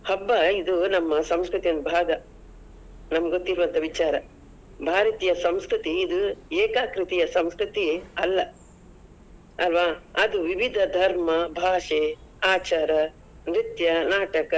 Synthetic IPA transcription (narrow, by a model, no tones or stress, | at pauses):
hɐbːɐid̪unɐmːɐsɐmskɾut̪ijond̪bʱaːɡɐ | nɐmɐɡɡot̪ːiɾʋɐnt̪ʰɐʋit͡ʃaːɾɐ | bʱaːɾɐt̪ijɐsɐmskɾit̪iːd̪ueːkaːkɾit̪ijɐsɐmskɾit̪iɐlːɐ | ɐlʋaːɐd̪uʋiʋid̪ʱɐd̪ʱɐɾmɐbʱaːʂeaːt͡ʃaːɾɐ | nɾit̪jɐnaːʈɐkɐ